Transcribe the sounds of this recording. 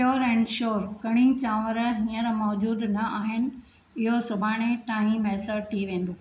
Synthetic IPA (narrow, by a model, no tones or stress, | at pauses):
joːɾɛ̃ːnʃoːɾkɐɽ̃ɪn̆t͡ɕãːʋəɾɦĩːəɾmɔːd͡ʑuːd̪nɐaːɦɪnɪ̆ | ɪɦosʊbʱaːɽ̃et̪aːɦĩmɛːsəʈ̚t̪ʰiʋẽːnd̪oː